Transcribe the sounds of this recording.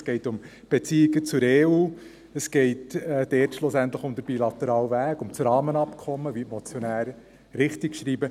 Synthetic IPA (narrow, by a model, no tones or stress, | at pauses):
sɡ̥ɛɪtʊm | b̥et͡siːɪɡət͡sʊɾeːuː | əsɡ̥ɛɪtɛd̥ɛtʃlʊsæntləχʊmd̥̪əɾb̥ilɑtɛɾɑːlvæːkʊmt͡sɾɑːmənɑpkʰɔmːəvitmɔt͡sjɔnæːɾə | ɾɪχtɪkʃɾiːbə